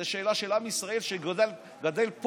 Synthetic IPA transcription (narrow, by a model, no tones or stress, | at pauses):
eʃe̞ːlaʃelamisʁae̞lʃeɡl | ɡad̪elp